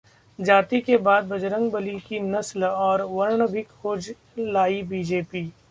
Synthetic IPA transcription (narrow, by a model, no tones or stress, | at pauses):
d͡ʒaːt̪ikebaːd̪̚bɐd͡ʒɾə̃ŋɡbəlikinɐslɔːɾʋɐɾɳəbɪkhoːd͡ʒ | laːibiːd͡ʒeːpiː